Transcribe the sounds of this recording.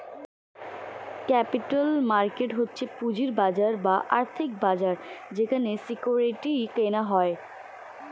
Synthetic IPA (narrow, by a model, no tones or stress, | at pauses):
kɛpiʈalmaɾkeʈɦotːɕʰepud͡ʑiɾbad͡ʑaɾbaʔa̰ɾt̪ʰik̚bad͡ʑaɾd͡ʑekʰanesikuɾeʈikenaɦɔe